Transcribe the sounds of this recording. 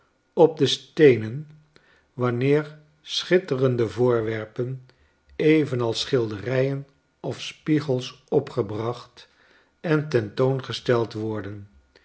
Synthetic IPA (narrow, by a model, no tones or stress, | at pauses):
ɔb̚dəstejnən | ʋɑnɪːɹ | sχɪtərəndəvʊːɹʋɛɹpən | ejvənɑlˠsχɪlˠdərɛjən | ɔfspiχəlˠs | ɔpχəbrɑχt | ɛntɛntownχəstɛlˠtʋɔɹdən